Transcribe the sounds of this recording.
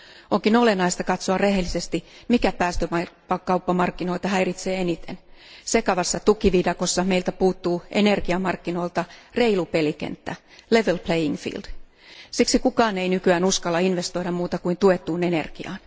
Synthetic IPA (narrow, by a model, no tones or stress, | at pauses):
oŋkinolenɑist̪ɑkɑt̪soɑrehelːˑisest̪imikæpæːst̪ømɑpɑkɑupːɑmɑrkːinoilt̪ɑhæirit̪seːenit̪ḛnsekɑʋɑsːɑt̪ukiʋidɑkosːɑmeilt̪æpuːt̪ːuːʔenerɡ̥iɑmɑrkːinoilt̪ɑreilupelikḛnt̪ːæ̰ | leʋelplejiŋfḭːld̥ | siksikukɑːneinykyæːnuskɑlːɑinʋest̪oiɾɑmmuːt̪ɑkuint̪uet̪ːˑuːnenḛrɡ̥iɑ̰ːn